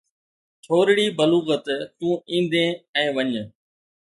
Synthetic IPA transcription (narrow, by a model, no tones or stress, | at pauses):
tʰoːɾɽiːbəluːɣət̪t̪ũːĩːn̆d̪ẽːɛ̃ːʋəɲ